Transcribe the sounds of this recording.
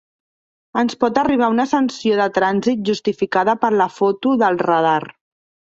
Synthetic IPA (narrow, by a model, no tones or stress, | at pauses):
ənspɔt̪əriβ̞aunəsənsioðət̪ɾanzit̪̚ʒust̪ifikaðəpəɾləfot̪uðəlˠrəð̞ar